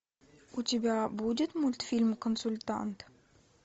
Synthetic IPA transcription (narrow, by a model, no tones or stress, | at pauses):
ʔut̪ʲibʲæbudət̪mult̪filmkonsulʲt̪a̰nt̪